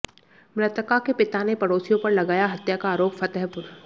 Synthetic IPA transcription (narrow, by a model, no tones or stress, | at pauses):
mɾɐt̪əkakepɪt̪anepɐɽoːsijõpɐɾlɐɡaːjaɦɐt̪jakaːɾoːpfɐt̪ɛɦpʊɾ